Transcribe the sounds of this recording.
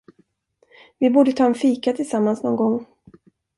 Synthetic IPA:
vɪbuːɖət̪ʰɑːɛnfiːkat̪ʰɪlsamːansnɔnɡɔŋː

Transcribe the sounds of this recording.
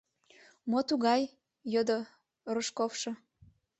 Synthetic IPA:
mot̪uɣɑj | jod̪o | roʃkofʃɤ

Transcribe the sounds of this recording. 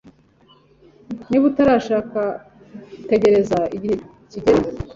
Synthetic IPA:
niβutaɾaːʃaːka | ute̞ɟe̞ɾe̞zaiɟihe | ciɟeɾ

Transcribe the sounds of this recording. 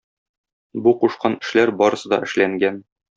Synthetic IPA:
buquʃqɑnɘ̆ʃlæɾbɒɾɤ̆sɤd̪ɒ̰ʔɘ̆ʃlæŋɡæn

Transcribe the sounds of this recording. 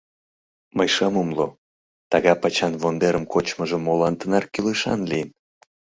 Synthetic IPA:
məjʃɑmumlo | t̪ɑɣɑpɑt͡ɕɑnvond̪eɾəmkot͡ɕməʒə̆mːolɑnt̪ənɑrkyleʃɑ̰nlijən

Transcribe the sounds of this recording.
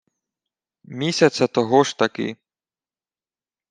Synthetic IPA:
mʲisʲɐt̪sɐt̪ɔɦɔʃt̪ɐkɪ̰

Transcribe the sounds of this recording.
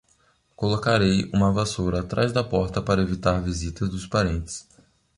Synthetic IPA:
kolokaɾejũmɐavasoɾɐaːt̪ɾazd̪ɐpɔɾt̪ɐpaɾɐevit̪aɾvizit̪ɐzd̪ʊspaɾẽnt̪ɪ̥s

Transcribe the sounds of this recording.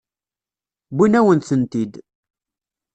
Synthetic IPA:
binæwənθənt̪id̪

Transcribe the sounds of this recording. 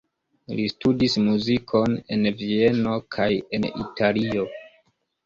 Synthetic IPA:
listudismuzikʰo̞ne̞nvie̞no̞kʰaje̞nḭtalio̞

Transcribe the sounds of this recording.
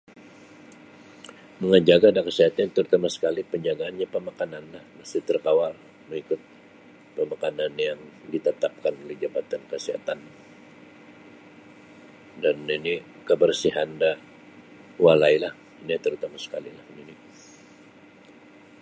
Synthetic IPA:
məŋənd͡ʒaɡadakəsiɦat̪aɲat̪əɾut̪amasə̥kalipəɲd͡ʒaɡaːnɲapəmakananlahnast̪it̪ərkawar | məŋikʊt̪̚ | pəmakananjaŋdit̪ət̪ap̚kanolɛhd͡ʒabat̪ankəsiɦa̰t̪an | danini | kəbərsiɦanda | walailah | init̪əɾut̪amasə̥kalilahnini

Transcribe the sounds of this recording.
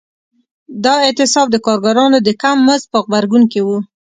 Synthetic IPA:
d̪ɑɪt̪ɪsɑb̚d̪əkɑɾɡaɾɑnod̪əkamːəzpəɣbaɾɡunkewu

